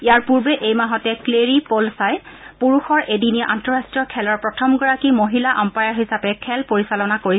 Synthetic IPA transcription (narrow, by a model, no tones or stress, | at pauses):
ijaɹpuɹbɛʔejmaɦɔtɛkleɹipolsajpuɹuxɔɹʔediniʔantɔɹastɹiɔkʰɛlɔɹpɹɔtʰɔmɡɔɹakimoɦilaʔɔmpajaɹɦisapɛkʰɛlpoɹisalɔnakoɹi